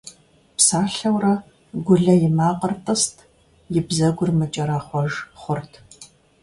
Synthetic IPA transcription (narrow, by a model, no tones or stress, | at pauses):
psaːɬɐwrɐ | ɡʷʊɮɐjɪmaːqʼərtʼɐstʰ | jɪbzɐɡʷʊrmɨt͡ʃʼɐɾaːχʷɔʒχʷʊrtʰ